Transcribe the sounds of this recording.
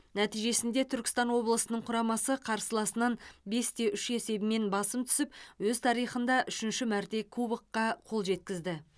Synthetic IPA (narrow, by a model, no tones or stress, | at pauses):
næt̪ijʒe̞sɪnd̪e̞t̪ʰʏɾkʲɪ̥st̪ɑnwo̞blˠəsənəɴqʰʊɾɑmɑsəqʰɑɾsəlˠɑsənɑnbe̞st̪ʰe̞ʔʏʃe̞se̞bɪme̞nbɑsəmt̪ʰʏ̥sɪp̚wɵzt̪ʰɑɾijχənd̪ɑʔʏʃɪnʃɪmæɾt̪e̞kʰubəqːɑqʰo̞lˠʒe̞t̪̚kʲɪzd̪ɪ